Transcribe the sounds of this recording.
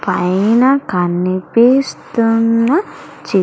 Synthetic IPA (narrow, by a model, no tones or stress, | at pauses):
pɐjnɐkɐnːipiːst̪unːɐ | t͡ʃi